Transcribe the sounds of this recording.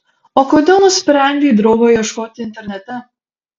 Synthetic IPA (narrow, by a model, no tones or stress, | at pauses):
oːkoːd̪ʲeːlˠnʊsʲpʲɾʲɛˑnʲd̪ʲid̪ɾɔʊɡoiɛʃkoːt̪ʲɪɪnʲt̪ʲɛɾʲnʲɛt̪ʲɛ